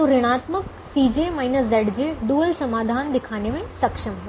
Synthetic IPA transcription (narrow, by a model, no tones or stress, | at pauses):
ũɾɪɽ̃aːt̪mək | siːd͡ʑemaːinəsd̪ɐɽd͡ʑeːd̪uʋəlsɐmaːd̪ʱaːnd̪ɪkʰaːnemẽsɐkʂəmɦ